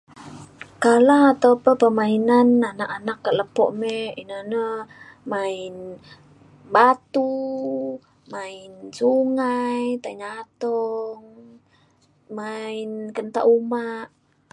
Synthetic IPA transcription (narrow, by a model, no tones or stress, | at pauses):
kalaat̪awpəpəmainananaʔanakːaləpɔ̰ʔmeinanəmain | bat̪u | mainsuŋajt̪aiɲat̪ɔŋ | mainkənt̪a̰ʔumaʔ